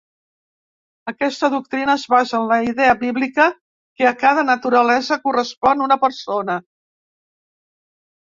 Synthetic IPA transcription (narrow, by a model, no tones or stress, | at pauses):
əkɛst̪əðuk̚t̪ɾinəːzβazənləiðɛəβiβlikə | keəkaðənət̪uɾəlɛzəkurəspɔnunəpəɾsonə